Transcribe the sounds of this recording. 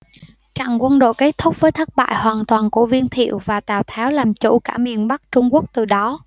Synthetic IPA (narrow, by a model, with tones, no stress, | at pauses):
t͡ɕa̰˧˨ŋkwə˧nɗo̰˧˨jke˨˦˥t̚t̪ʰʊ˦˥k͡p̚vəː˨˦jt̪ʰə˦˥t̚ɓa̰ː˧˨jhwaː˨˩nt̪waː˨˩nku˧˩əvi˧ənt̪ʰḭ˧˨əwvaː˨˩t̪aː˨˩wt̪ʰɛ˨˦wlaː˨˩mt͡ɕṵ˧˩kaː˧˩mḭ˨˩ənɓa˦˥k̚t͡ɕʊ˧ŋ͡mku˦˥ək̚t̪ɨ˨˩ɗɔ˨˦